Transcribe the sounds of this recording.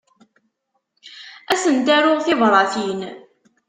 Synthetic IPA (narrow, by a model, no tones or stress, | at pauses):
æsənt̪æɾʊʁθɪvɾˤɑθin